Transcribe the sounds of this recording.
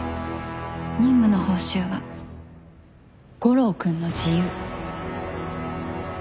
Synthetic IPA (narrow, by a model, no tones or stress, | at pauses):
ɲĩmːɯ̟no̞ho̞ːɕɨːβa | ɡ̥o̞ɾo̞ːkɯ̟̃nːo̞d͡ʑijɯ